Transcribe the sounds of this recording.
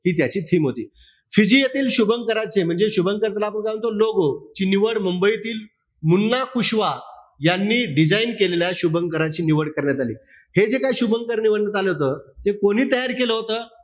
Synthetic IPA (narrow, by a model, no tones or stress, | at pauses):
ɦiːt̪̬jat͡ɕiːt̪ʰiːmɦot̪iː | fid͡ʑijet̪iːlɕubəŋkəɾat͡sem̤əɳd͡zeɕubʱəŋkəɾt̪laːpəɳkajʋənt̪oloɡot͡ɕiːniʋəɽməmbəit̪iːl | munːakuɕʋa | janːiːɖid͡zainkeleljaɕubʱəŋkəɾat͡ɕiːniʋəɽkəɾɳjat̪alḭː | hed͡zekajɕubəŋkəɾniʋəɽnːət̪aləɦot̪əːt̪ekoɽ̃iːt̪əjaɾkeləɦot̪əː